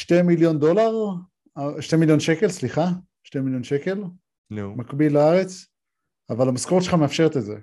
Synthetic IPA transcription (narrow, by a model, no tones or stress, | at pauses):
ʃtemiljo̞nd̪o̞laʁ | aʃtemiljo̞nʃe̞ke̞lsliχa | ʃtemiljo̞nʃe̞ke̞l | makbilaaʁe̞t͡s | avalamaskoʁt̪ʃeχameafʃe̞ʁet̪ezḛ